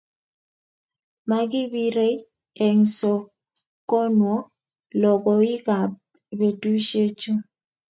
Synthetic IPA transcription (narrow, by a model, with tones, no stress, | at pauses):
ma˨ɡɪ˦bi˦ɾe˦ | e˨ŋ˨so˨ | ko˦nwɔ˦ | lɔ˨ɡɔ˨ɪ˦ka˨b | be˨tu˦ʃe˦t͡ʃu˦